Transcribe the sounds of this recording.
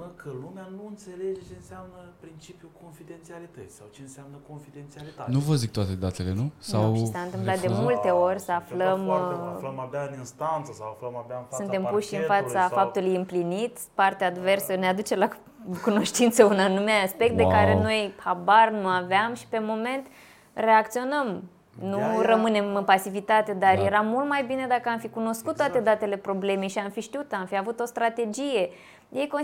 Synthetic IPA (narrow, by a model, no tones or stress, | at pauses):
əkʰəlumeanuɨnt̪se̞led͡ʒet͡ʃeɨnseamnəpɾint͡ʃipjuko̞nfid̪ent̪sialit̪ət̪sʲsawt͡ʃeɨnseamnəkonfid̪ent̪sialianuvəzik̚t̪wat̪e̞d̪at̪e̞le̞nusawʃisant̪ɨmplat̪̚d̪e̞mult̪e̞o̞rʲsəafləmləmabjaɨninst̪ant̪səsawafləmabjaɨnfasunt̪e̞mpuʃɨnfat̪safap̚t̪ulujɨmplinit̪ | part̪eaad̪ve̞rsənead̪ut͡ʃe̞la | kuno̞ʃt̪int̪səunanumeaaspek̚t̪̚d̪ekaɾeno̞jhabarnuaveamʃi̥pe̞mo̞me̞nt̪ | re̞akt̪sio̞nəm | nurəmɨne̞mɨnpasivit̪at̪e̞d̪arje̞ɾamːult̪majbine̞d̪akəamfikuno̞skut̪ːwat̪e̞d̪at̪e̞le̞pɾo̞ble̞me̞jʃiamfiʃt̪iut̪amfiavut̪o̞st̪ɾat̪e̞d͡ʒije̞ | jejko